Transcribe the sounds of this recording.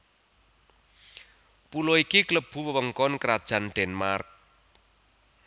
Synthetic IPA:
puloikikləb̥ṳwəwəŋkɔnkəɾad̥ʒ̥a̤nɖ̪̥ɛnmark̚

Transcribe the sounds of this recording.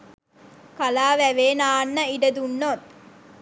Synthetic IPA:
kalaːʋæʋeːnaːnːəiɖəd̪unːot̪

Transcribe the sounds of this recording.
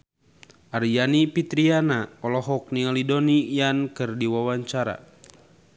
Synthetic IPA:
aɾijanipit̪ɾianaɔlɔɦɔk̚nialidɔnijankɨrdiwawaɲt͡ʃaɾa̰

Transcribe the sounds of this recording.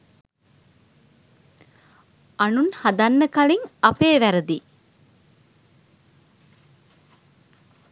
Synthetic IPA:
ʔɐnunhɐd̪ɐnːəkɐliŋɐpeːʋæɾəd̪i

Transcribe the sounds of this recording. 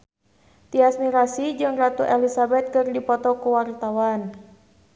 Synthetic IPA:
t̪iasmiɾasid͡ʒɨŋrat̪uʔɛlisabɛt̪̚kɨrdipɔt̪ɔkuwart̪awan

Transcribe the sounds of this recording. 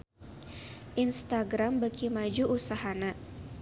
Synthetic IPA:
ʔinst̪aɡɾambaɡimad͡ʒuʔusaɦana

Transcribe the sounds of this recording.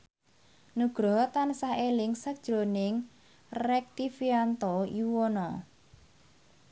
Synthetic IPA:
nuɡ̥ɾɔt̪ansaʔelɪŋsəkd̥ʒ̥ɾonɪŋ | rɛk̚t̪ifiant̪ɔjuwɔnɔ

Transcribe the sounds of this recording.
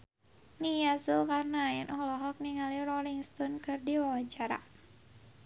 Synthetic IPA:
nijasulkarnaːjɛnʔɔhlɔɦɔk̚niŋalirɔliŋst̪ɔnkɨrdiwawaɲt͡ʃaɾa̰

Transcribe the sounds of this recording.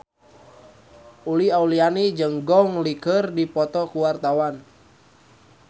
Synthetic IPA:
uliaulianid͡ʒəŋɡɔŋlikərdipɔt̪ɔkuwart̪awan

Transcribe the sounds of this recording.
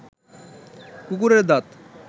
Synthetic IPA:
kuk̬uɾeɾd̪at̪

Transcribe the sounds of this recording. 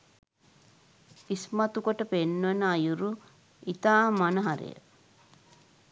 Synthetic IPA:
ismɐt̪ukoʈəpenːʋɐnajuɾu | it̪aːmɐnɐɦɐɾḭjə̰

